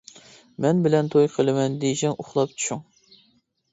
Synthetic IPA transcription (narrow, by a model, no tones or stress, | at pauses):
mɛnbɪlɛnt̪ʰojqʰəlˠɨmɛnd̪ejʃɪŋʊχlˠɑp̚t͡ʃʰu̥ʃuŋ